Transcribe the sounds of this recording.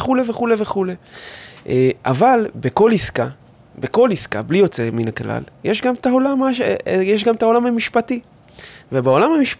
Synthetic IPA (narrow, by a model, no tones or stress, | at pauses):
χuleveχuleve̞χuleʔeʔa̰valbeko̞liska | beko̞liska̰blijo̞t͡seminakla̰ljeʃɡamt̪aolamaʃejeʃ̬ɡamt̪ao̞lamhamiʃpati | vebeo̞lamhamiʃp